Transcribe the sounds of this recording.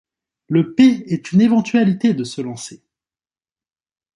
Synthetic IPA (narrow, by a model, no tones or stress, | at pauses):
ləpeɛt̪ynevɑ̃t̪ɥalit̪ed̪əsəlɑ̃se